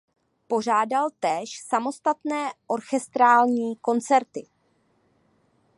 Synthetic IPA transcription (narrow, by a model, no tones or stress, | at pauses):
po̞r̝aːdalt̪ɛːʃsamo̞st̪at̪nɛːʔo̞ɾxɛst̪ɾaːlɲiːko̞nt͡sɛɾt̪ɪ